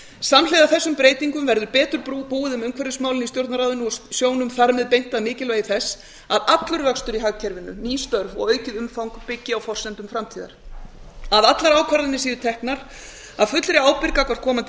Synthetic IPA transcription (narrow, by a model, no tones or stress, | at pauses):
samleːðaθɛsːʏmpɾeːjt̪iŋkʏmvɛɾðʏɾpɛːt̪ʏɾpuːɪðʏmʏmkʰvɛɾðʏsmaːwlɪnist̪jowɾt̪naɾaːðʏnuɔsjoːwnʏmθaɾmɛðpejn̥t̪aðmɪːcɪlveːjðɪθɛsː | aðat̪lʏɾvœkst̪ʏɾiɦaɣcʰɛɾvɪnːʏ̰niːst̪œɾvɔ̰ɣœːɥcɪðʏmfawŋkpɪcːɪawfɔr̥sɛnt̪ʏmfɾamt̪ʰiːða̰ɾ̥ | aðat̪laɾaːwkʰvaɾðɪnɪsiːðʏt̪ʰɛhknaɾ̥ | aðfʏt̪lɾɪaːwpɪɾkakʰɔ̥kʰɔːmant̪